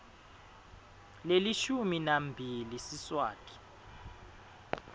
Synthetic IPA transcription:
leliʃuminambʱilisiswa̰ːtʰʼi̥

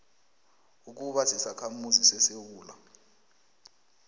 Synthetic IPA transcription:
uk̬uɓasisakʰamuzisɛsewuːla

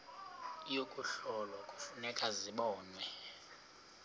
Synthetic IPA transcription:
ijokʼuɬɔlwakʼufunɛkʼaziɓɔːnwɛ

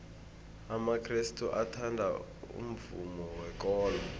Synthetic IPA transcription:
amakʰristʰʼuʔatʰandʱa̰ | ṵm̩vumɔwɛk̬ɔːlɔ

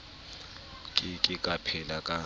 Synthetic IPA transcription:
kʼɪkʼɪkʼapʰɛlakʼa

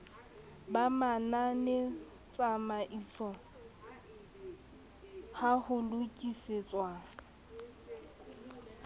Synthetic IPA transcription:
bamananɪ | t͡sʼamaʔisɔ | hahʊlʊkʼiset͡sʼwaŋ̩

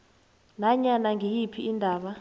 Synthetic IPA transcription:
naɲanaŋijipʰiindʱaːɓa

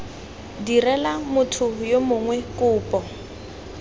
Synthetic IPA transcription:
dirɛlamʊtʰʊjomʊŋwɛkʼʊːpʼɔ

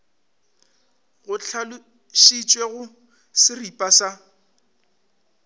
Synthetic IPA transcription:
ɣʊt͡ɬʰalʊ | ʃit͡ʃʼweɣʊ | sɪripʼasa

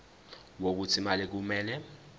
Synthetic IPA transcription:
wok̬ut͡sʰimalɛk̬umɛːlɛ

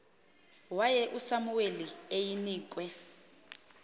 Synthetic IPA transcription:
wajɛʔusamuweliejiniːk̬ʼwɛ

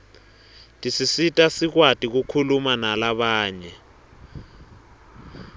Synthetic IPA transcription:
tʼisisitʼasik̬watʼik̬ukʰulumanalaɓaːɲɛ

